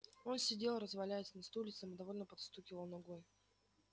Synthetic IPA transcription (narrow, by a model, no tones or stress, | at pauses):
o̞nsʲɪdʲe̞lˠɾəzvɐlʲæjɪsʲnɐst̪ulʲɪt̪səmɨd̪ɐvo̞lʲnəpɐt̪st̪ukʲɪvəlˠnaɡoj